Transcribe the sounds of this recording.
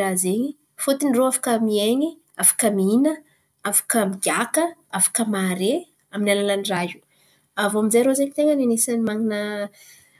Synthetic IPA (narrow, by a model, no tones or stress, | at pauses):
azeɲi | fut̪iniroafḁkəmieɲi | afḁkəminə | afḁkəmiɡʲakəafḁkəmaɾe | aminalalaniraɦu | avominzejɾozeɲit̪eŋəninesanimaŋinə